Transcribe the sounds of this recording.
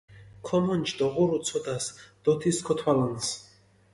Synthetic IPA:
kʰɔmɔnt͡ʃʰd̪ɔʁuɾut̪sʰɔd̪asd̪̥ɔt̪ʰiskʰɔt̪ʰwalans

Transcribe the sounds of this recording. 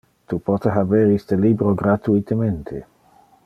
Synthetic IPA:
t̪upɔt̪eɦabɛɾist̪əlibɾoɡɾat̪uit̪əment̪ʰḛ

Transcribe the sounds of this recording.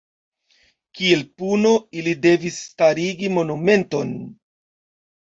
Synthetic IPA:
kielpuno̞ilide̞visːtaɾiɡimo̞nume̞nto̞n

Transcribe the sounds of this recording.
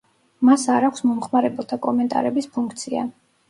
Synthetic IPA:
masaɾakʷʰsmɔmχmaɾɛbɛlˠt̪ʰakʼɔmɛnt̪ʼa̰ɾɛbispʰuŋkʰt̪sʰia̰

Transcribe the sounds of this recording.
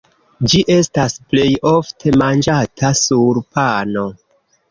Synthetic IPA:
d͡ʒiʔe̞stasple̞jo̞ftʰe̞mand͡ʒatʰasuɾpano̞

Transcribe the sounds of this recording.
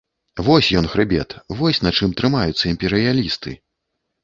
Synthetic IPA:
vɔsʲjɔnxɾɨbʲɛ̰t̪vɔsʲnat͡ʂɨmt̪ɾɨmajut̪sːɐimʲpʲɛɾɨjalʲist̪ɨ̰

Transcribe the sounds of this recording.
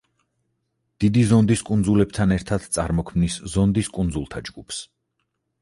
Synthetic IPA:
d̪̥id̪izɔnd̪iskʼund̪zulɛb̚t̪ʰanɛɾt̪ʰad̪̥t̪sʼa̰ɾmɔkʰmniszɔnd̪iskʼund̪zulˠt̪ʰad͡ʒɡupʰs

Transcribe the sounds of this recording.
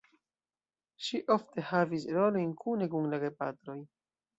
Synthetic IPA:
ʃiʔo̞fte̞havisɾo̞lo̞jnkʰune̞kuŋlaɡepatɾo̞j

